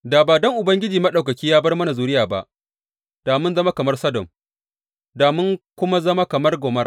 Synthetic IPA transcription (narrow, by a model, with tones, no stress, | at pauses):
daː˨baː˨dɔ˦ŋʔʊ˨bɐ˦ŋɡʲɪ˦d͡ʒiː˨mɐ˦ɗa˨kɐ˨kʲiː˦jaː˦bɐ˦rmɐ˦na˨zuː˨ɾɪ˦jaː˨ba̰˦ʔ | d̥aː˨mʊ˦nzɐ˦ma˦kɐ˨mɐ˦rsɐ˦dɔ˨m | daː˨mʊ˦ŋkʷʊ˦ma˦zɐ˦ma˦kɐ˨mɐ˦rɡʷɔː˨mɐ˦r